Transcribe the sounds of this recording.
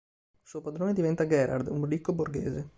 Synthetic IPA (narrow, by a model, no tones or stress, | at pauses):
suːopad̪ɾoːned̪ivɛnt̪aɡɛɾʔa̰rd̪unrikːoborɡḛːze